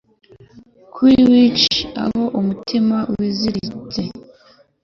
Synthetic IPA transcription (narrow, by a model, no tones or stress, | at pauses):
kʰuiwit͡ʃia̰ho̞ʔumutʰimawiziɾit͡se̞